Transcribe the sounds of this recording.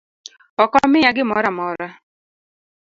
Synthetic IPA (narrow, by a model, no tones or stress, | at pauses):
ɔkɔmɪjaɡɪmɔɾamɔɾa